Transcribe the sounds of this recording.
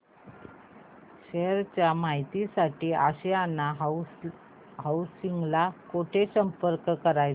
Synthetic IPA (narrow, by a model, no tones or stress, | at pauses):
ɕeɾt͡ɕjamaɦit̪isaʈiːaɕeanːa | ɦausiŋɡlakoʈʰesəmpəɾkkəɾaj